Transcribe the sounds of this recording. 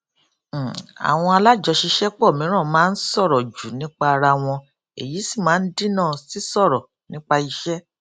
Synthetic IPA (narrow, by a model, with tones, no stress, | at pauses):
a̰˨w̃ɔ̃˧a˧la˦d͡ʒɔ˧ʃi˧ʃɛ˦k͡pɔ˦˨mĩ˨˦ɾ̃ã˦˨mãː˦n̩˦sɔ˦˨ɾɔ˨d͡ʒu˨nĩ˨˦k͡pa˧ɾa˧w̃ɔ̃˧ | ḛ˨ji˨˦si˦˨mãː˨˦n̩˦di˦nãː˦˨si˦sɔ˦˨ɾɔ˨ | nĩ˦k͡pa˧i˧ʃɛ˦